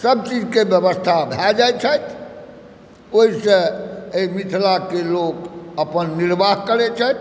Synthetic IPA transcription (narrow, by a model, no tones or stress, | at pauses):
səb̚t͡ʃid͡ʒkebjəbəst̪ʰabʱɛd͡ʒaj̪t͡ʃʰət̪ʰ | oɦiseeimit̪ʰlakelokəpənːiɾbaɦkəɾɛt͡ʃʰət̪